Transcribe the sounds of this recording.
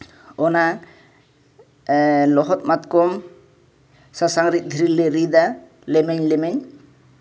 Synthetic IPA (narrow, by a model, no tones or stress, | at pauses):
ɔna | lɔɦɔt̪̚mat̪kɔm | sasaŋɾit̪̚ˀd̪ʱiɾileɾid̪a | lɛmɛɲlɛmɛɲ